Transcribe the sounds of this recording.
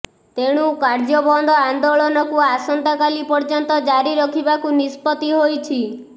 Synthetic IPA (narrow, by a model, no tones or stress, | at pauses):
t̪eɽ̃ukaɾd͡ʒɔbɔnd̪ʱɔand̪oɭɔnɔkuasɔnt̪ɔkalipɔɾd͡ʒɔnt̪ɔd͡ʒaɾiɾɔkʰibakunispɔt̪iɦojt͡ʃʰi